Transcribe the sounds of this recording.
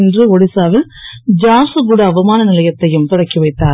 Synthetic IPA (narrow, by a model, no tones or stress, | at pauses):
ndrɯɔɽɪsaːʋɪl | d͡ʒaːsɯɡuɽɐːʋɐmaːnɐnɪlɐjɐt̪ːɐjɯmt̪ɪɽɐkːiʋɐɪt̪ːaː